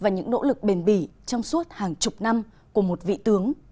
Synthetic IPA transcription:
vaː˨˩ɲɨ̰˧˥ŋno̰˧˥lɨ˨˩k̚ɓe˨˩nɓi˧˩t͡ɕɔ˧wŋ͡msu˦˥t̚haː˨˩ŋt͡ɕʊ˨˩k͡p̚na˧m | ku˧˩əmo˨˩t̚vḭ˧˨t̪ɨ˨˦əŋ

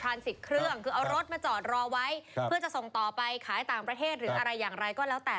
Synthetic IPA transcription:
t̪ʰɾaː˧nsi˨˩kʰɾɯ˥˩əŋkʰɯː˧ʔa˧wɾo˦˥t̪̚maː˧t͡ɕɔː˨˩t̪̚ɾɔː˧wa˦˥jpʰɯ˥˩ɐt͡ɕa˨˩ʔso˨˩ŋt̪ɔː˨˩pa˧jkʰaː˩˦jt̪aː˨˩ŋpɾa˧t̪ʰeː˥˩t̪̚ɾɯː˩˨˩ʔa˧ɾa˧jːaː˨˩ŋɾa˧jkɔː˥˩lɛː˦˥wt̪ɛː˨˩

